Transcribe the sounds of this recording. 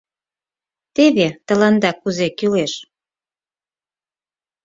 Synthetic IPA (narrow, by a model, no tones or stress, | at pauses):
t̪eβet̪ə̆lɑnd̪ɑkːuzekyleʃ